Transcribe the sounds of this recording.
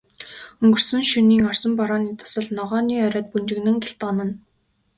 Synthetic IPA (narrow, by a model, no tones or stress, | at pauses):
ɵŋɡɵ̆r̥sɵ̆ŋʃuniːŋɔrsɞ̆mpɔɾɔːniːt̪ʰʊ̥sə̆ɮnɔʁɔːniːœɾʲœːt̪̚punt͡ɕɪ̆ɣnɘ̆ŋɡeɬt̪ɔːnə̆n